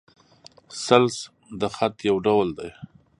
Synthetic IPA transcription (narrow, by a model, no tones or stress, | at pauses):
sals | d̪əxat̪jawɖawld̪aj